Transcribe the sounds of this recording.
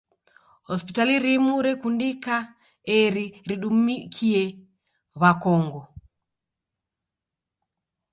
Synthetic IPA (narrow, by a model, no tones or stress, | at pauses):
hɔspitaliɾimuɾɛkundika | ɛɾiɾiɗummikʰiɛ | βakɔŋɡɔ